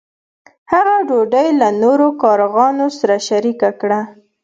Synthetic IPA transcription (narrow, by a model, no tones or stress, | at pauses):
haɣaɖoɖəjlanoɾokɑɾɣɑnosaɾaʃaɾikakɽa